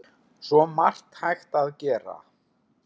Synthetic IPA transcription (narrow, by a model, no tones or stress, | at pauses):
sɔmar̥t̪hajxt̪aðcɛːɾa̰